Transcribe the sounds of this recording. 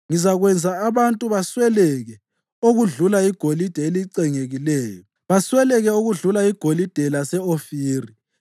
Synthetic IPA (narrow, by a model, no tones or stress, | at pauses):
ŋizaɣwɛnd͡zʱaːβantʼuβaswɛlɛɣɛ | oɣuɮulaiɡ̥ʱolid̥ʱɛeliǀɛŋeɣilɛːjɔ | βaswɛlɛɣɛoɣuɮulaiɡ̥ʱolid̥ʱɛlasɛofiːri